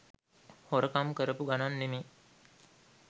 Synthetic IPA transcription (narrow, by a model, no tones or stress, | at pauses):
hoɾəkamkəɾəpuɡananːemi